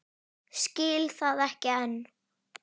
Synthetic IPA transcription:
scɪːlθaðɛhcɪɛnː

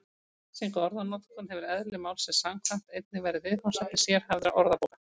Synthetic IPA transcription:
siŋkɔɾðanɔt̪kʏnhɛvɪɾɛðlɪmaːwlsɛ̥samkʰvan̥t̪ejt̪̚nɪvɛːjɾɪðvɪðhansɛt̪ːɪ̥sjɛɾ̥havðɪɾa̰ʔɔɾðapoːwka

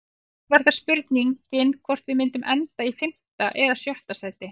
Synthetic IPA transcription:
vaɾθaɾ̥spʏɾt̪niŋcɪnkʰvɔr̥t̪vɪðmɪnt̪ʏmʔɛnt̪aifɪm̥t̪aʔɛðasjœht̪asaːjt̪ɪ

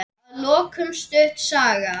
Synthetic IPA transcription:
lɔːkʰʏmst̪ʏht̪saːɣa

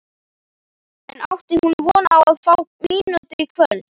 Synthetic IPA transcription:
ɛnawft̪ɪhunvɔnawaðfawmiːnʏt̪ɪɾikʰvœl

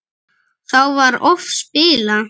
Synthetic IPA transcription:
θawvaɾɔfspɪːla

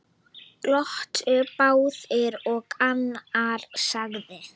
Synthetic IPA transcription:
lɔht̪ʏpaːwðɛɾɔɣanːaɾsaɣðɪ

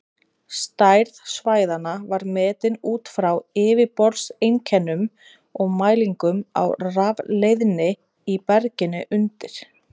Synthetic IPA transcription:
st̪ajɾðsvaːjðanavaɾmɛːt̪ɪnuːt̪fɾawɪːvɪpɔɾsejncʰɛnːʏm | ɔɣmaːjliŋkʏma̰wravlejðnɪ | ipɛɾcɪnːɪʔʏnt̪ɪɾ̥

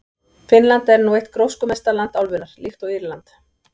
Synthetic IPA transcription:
fɪnlant̪ɛɾnuːejht̪kɾowskʏmɛst̪alant̪awlvʏnaɾ̥lift̪ɔɣiɾlant̪

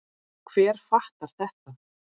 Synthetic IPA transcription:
kʰv̥ɛːɾ̥faht̪aɾ̥θɛht̪a

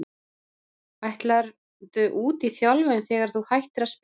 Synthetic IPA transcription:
ajht̪laɾ | t̪ʏʔuːt̪iθjɔlvʏnθɛːɣaɾ̥θuhajht̪ɪɾasp

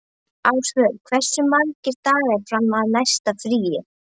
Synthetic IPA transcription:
awsvœɣkʰvɛr̥sʏmaŋcɪɾ̥t̪aːɣɛɾ̥fɾamːaðnajst̪afɾiːjɪ

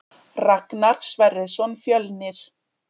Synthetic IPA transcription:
raknaɾ̥svɛɾɪðsɔnfjœlnɪɾ̥

